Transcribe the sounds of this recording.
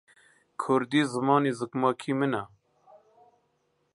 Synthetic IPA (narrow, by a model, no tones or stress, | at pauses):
kʰʊɾd̪iːzɨmɑːniːzɨkmɑːkʰiːmɨna